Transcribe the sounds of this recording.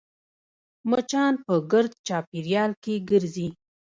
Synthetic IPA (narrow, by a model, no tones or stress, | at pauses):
mət͡ʃɑnpəɡəɾd̪̚t͡ʃɑpiɾjɑlkeɡəɾzi